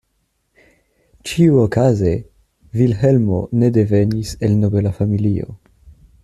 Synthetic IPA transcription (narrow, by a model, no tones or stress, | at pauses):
t͡ʃiuokaze̞ | vilɦe̞lmo̞̰ne̞de̞ve̞nise̞lno̞be̞lafamilio̞̰